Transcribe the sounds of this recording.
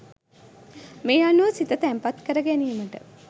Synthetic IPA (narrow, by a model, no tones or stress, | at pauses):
meːanuʋəsit̪ət̪æmpat̪kəɾəɡæniːməʈə̰